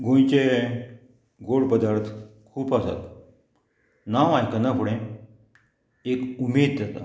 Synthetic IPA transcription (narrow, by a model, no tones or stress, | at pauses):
ɡõjt͡ɕe | ɡoɽpəd̪aɾt̪ʰkʰuːpasa̰t̪ | naʋajkənakuɽẽ | ekumeːd̪̚d͡zat̪a̰